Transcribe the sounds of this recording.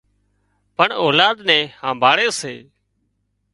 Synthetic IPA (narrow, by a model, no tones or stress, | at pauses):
pəɳoːlaːd̪nɛ̃ːhãːbʱaːɽeːseː